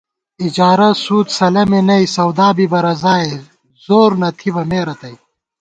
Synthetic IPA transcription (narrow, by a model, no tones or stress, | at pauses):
id͡ʑaːɾɐsuːt̪sɐlɐmenɐisɐwd̪aːbibɐɾɐzaːe | zoːɾnɐt̪ʰibɐmeːɾɐt̪ɐi